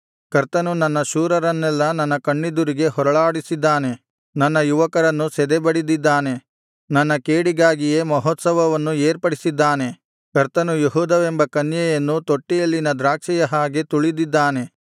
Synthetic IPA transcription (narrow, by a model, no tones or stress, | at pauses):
kɐɾt̪ɐnunɐnːɐʃuːɾɐɾɐnːɛlːɐnɐnːɐkɐɳːid̪uɾiɡe̞ɦɔɾɐɭaːɽisid̪ːaːne̞ | nɐnːɐjuʋɐkɐɾɐnːusɛd̪ɛbɐɽid̪id̪ːaːne̞ | nɐnːɐkeːɽiɡaːɡijeːmɐɦɔt̪sɐʋɐʋɐnːueːɾpɐɽisid̪ːaːne̞ | kɐɾt̪ɐnujeɦuːd̪ɐʋembɐkɐnjɛjɐnːut̪oʈːijɐlːinɐd̪ɾaːkʂɛjɐɦaːɡet̪uɭid̪id̪ːaːne̞